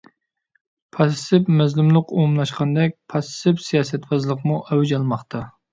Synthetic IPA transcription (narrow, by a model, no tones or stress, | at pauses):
pʰɑssɪpmɛzlumlˠəqomlˠɑʃqʰɑnd̪ɛk̚ʲpʰɑsɪpsijɑːsɛt̪bɑzlˠəqmuʔɛwd͡ʒɑlˠmɑχt̪ʰɑ